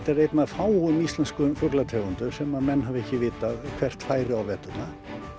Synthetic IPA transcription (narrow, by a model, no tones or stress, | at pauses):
t̪aɾejt̪naðfaːwmist̪lɛnskʏmfɔklat̪ʰɛɣʏnt̪ʏɾ̥sɛmamɛnːɦavɛhcɪvɪːt̪aðkʰv̥ɛr̥t̪faːjɾɪawvɛːt̪ʏtna